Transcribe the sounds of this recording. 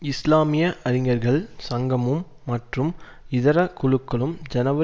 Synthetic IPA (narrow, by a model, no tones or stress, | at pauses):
ɪslaːmɪjɐʔɐɾɪŋɡɐɾɣɐɭsɐŋɡɐmɯmːɐʈrɯm | ɪðɐɾɐkʊɭɯkːɐɭɯmd͡ʒɐnɐʋɐ